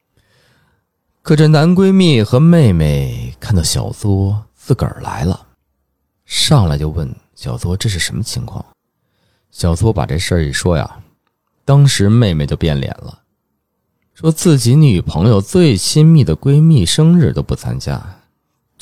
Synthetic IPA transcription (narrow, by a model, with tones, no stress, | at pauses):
kʰɤ˨˩ʈ͡ʂə˥˩na˧˥nkwe˥ɪmi˥˩xɤ˧˥me˥˩ɪme˥˩ɪkʰa˥˩nt̪ɑ˥˩ʊɕjɑ̰˨˩ʊt͡swɔ˥t͡sɹ̩˥˩kə̰˞˨˩la̰˧˥ɪlə̰˧ | ʂɑ˥˩ŋla̰˧˥ɪt͡ɕjo˥˧ʊwə˥˩nɕjɑ˨˩ʊt͡swɔ˥ʈ͡ʂɤ˥˧ʂɻ̩˥˩ʂə˧˥nmə˧t͡ɕʰi˧˥ŋkʰwɑ̰˥˩ŋ | ɕjɑ˨˩ʊt͡swɔ˥pa̰˨˩ʈ͡ʂe˥˧ʂə˞˥˩i˨˩ʂwɔ˥ja̰˩ | t̪ɑ˥ŋʂɻ̩˧˥me˥˧ɪme˨˩ɪt͡ɕjo˥˧ʊpjɛ̰˥˩nljɛ̰˨˩nlə̰˦ | ʂwɔ˥t͡sɹ̩˥˩t͡ɕi˧˥ny˨˩pʰɤ˧˥ŋjo˧ʊt͡swe˥˩ɪt͡ɕʰi˥nmi˥˩d̪ə˩kwe˥ɪmi˥˩ʂɤ˥ŋɻ̩˥˩t̪o˥ʊpu˥˩t͡sʰa̰˥nt͡ɕja̰˥